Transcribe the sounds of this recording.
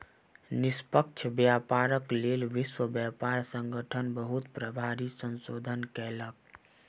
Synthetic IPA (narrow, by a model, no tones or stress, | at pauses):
nɪspək̚t͡ʃʰbjapaɾəklelʋɪswəbjapaɾsə̃ŋɡəʈʰənbəɦut̪pɾəbʱaɾisə̃nsod̪ʱənkɛlək̚